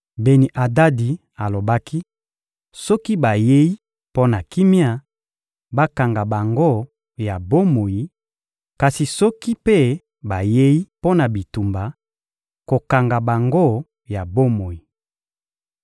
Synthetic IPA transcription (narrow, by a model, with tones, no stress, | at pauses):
be˨ni˨ʔa˨da˦di˨ | a˨lo˨ba˦ki˦ | sɔ˦ki˦ba˨je˦i˦ | po˦na˨ki˦mi˦a˦ | ba˦ka˨ŋɡa˨ba˨ŋɡo˦˨ | ja˨bo˦mo˨ji˨ | ka˨si˨sɔ˦ki˦pe˦ | ba˨je˦ji˦po˦na˨bi˨tu˨mba˨ | ko˨ka˨ŋɡa˨ba˨ŋɡo˦˨ | ja˨bo˦mo˨i˨